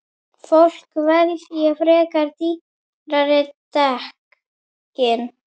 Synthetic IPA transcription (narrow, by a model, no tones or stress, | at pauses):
fol̥kvaɾθiafɾɛːkaɾt̪i | raɾɪt̪ahk | cɪn